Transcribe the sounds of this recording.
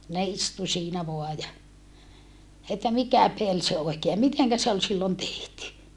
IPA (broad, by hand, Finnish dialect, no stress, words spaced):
ne istu siːnæ ʋoɑ jɑ etːæ mikæ pel se oikeː jɑ miteŋkæ se ol silːon tehty